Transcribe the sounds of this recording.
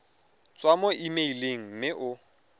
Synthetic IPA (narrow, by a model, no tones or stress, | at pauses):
t͡sʼwamɔʔimeileŋ̩m̩mɪʔʊ